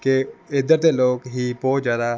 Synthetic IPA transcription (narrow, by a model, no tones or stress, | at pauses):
keɪd̪əɾt̪eloːkɦibɔːt̪zjaːd̪a